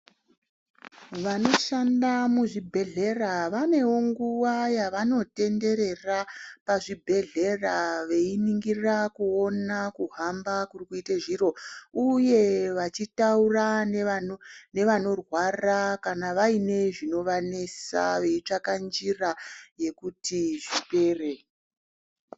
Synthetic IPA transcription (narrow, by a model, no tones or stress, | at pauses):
ʋano̞ʃandamuʐibʱe̞ɮe̞raʋane̞wo̞ŋɡuʋajaʋano̞te̞nde̞ɾe̞rapaʐibʱe̞ɮe̞raʋe̞iniŋɡirakuo̞nakuɦambakurikuiteʐiro̞uje̞ʋat͡ʃitauraneanone̞ʋano̞rwarakanaʋaine̞ʐino̞ʋane̞sa̰ʋe̞it͡ʂakand͡ʒiraje̞kutiʐipe̞ːre̞